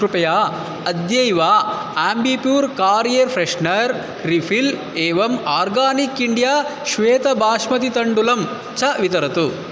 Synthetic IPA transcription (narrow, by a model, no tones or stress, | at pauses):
kɾupɐjaː | ɐd̪jɐjʋaː | aːmbipjuːɾkaːɾijɐɾpʰɾeʂnɐɾ | ɾifʰil | eːʋɐmaːɾɡaːnikːiɳɖijaːʃʋeːt̪ɐbʱaːʂmɐt̪it̪ɐɳɖulɐm | t͡ʃɐʋit̪ɐɾɐt̪u